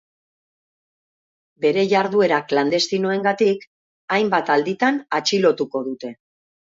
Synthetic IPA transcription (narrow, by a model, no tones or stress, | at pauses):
be̞ɾe̞ʝaɾðue̞ɾakland̪e̞st̪ino̞e̞ŋɡat̪ik | ajmbat̪ald̪it̪anat͡ʃilo̞t̪uko̞ðut̪e̞